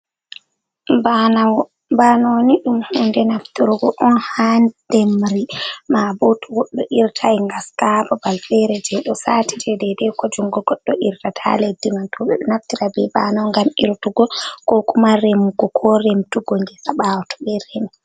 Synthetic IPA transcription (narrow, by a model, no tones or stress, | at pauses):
bnaw | banoniɗumhundɛnaftiɾuɡɔʔɔnhand̥emɾimabotuɡɔɗːɔʔiɾtʰajŋɡaskabɔbalfɛɾɛd͡ʒɛɗɔsaːtid͡ʒɛdɛdɛkɔd͡ʒuŋɡɔɡɔɗːɔʔiɾtatʰa̰ledːimantɔɛnaftiɾabɛbanɔwŋɡamiɾtuɡɔkɔkumaɾemuɡɔkʰɔɾemtuɡoŋɡɛsaɓawtɔ̥ɓɛɾemi